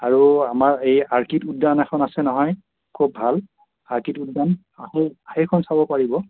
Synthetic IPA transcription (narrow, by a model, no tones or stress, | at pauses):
aɹuamaɹejaɹkituddanɛxʰɔnasɛnɔɦɔj | kʰub̚ʱal | aɹkitudːan | aheahekʰɔnsabɔpaɹibɔ